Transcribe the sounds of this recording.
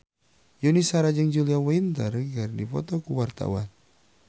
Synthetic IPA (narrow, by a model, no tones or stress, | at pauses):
junisaɾad͡ʒəŋd͡ʒuliawaint̪ərɡərdifɔ̰t̪ɔkuwart̪a̰wa̰n